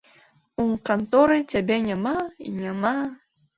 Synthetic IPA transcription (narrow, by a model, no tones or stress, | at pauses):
ukant̪ɔɾɨt͡sʲabʲɛnʲamaḭnʲama